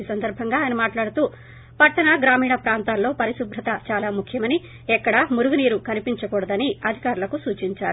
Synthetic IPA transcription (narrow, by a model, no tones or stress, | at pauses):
isɐnd̪ɐɾbʱɐŋɡaːjɐnɐmaːʈlaːɽut̪uː | pɐʈːɐnɐɡɾaːmiːɳɐpɾaːnt̪aːlːo̞ːpɐɾisubʱɾɐt̪ɐt͡ʃaːlaːmukʰjɐmɐni | ɛkːɐɽɐmuɾuɡuniːɾukɐnipiɲt͡ʃɐkɔːɽɐd̪ɐniɐd̪ʱikaːɾulɐkusuːt͡ʃiɲt͡ʃaːɾu